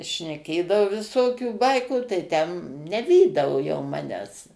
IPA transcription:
ʃʲnʲɛˈkʲeːdɐʋoː ʋʲɪˈsoːkʲuː ˈbɐɪkuː tɐɪ ˈtʲɛn nʲɛˈʋʲiːdɐʋoː jɛʊ ˈmɑːnʲæːs

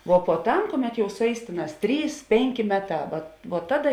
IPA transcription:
ʋoː puɔˈtɐm ˈkʊˌmʲɛt jɛʊ sʊˈɛɪs ˈtʲeːˌnɑːs ˈtʲrʲiːs ˈpʲeːŋʲˌkʲeː ˈmʲæːˌtɑː ʋɐ ʋuɔ ˈtɑːˌdɐ

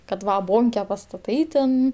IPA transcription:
kɐt ˈʋɐ ˈboːŋʲkʲɛ pɐstɐˈtɐɪ tʲɛn

